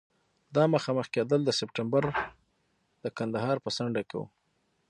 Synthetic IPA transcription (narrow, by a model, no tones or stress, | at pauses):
d̪ɑməxɑməxked̪əld̪əsɪp̚ʈambaɾ | d̪̥əkand̪aɦɑɾpəsaɳɖakḛwṵ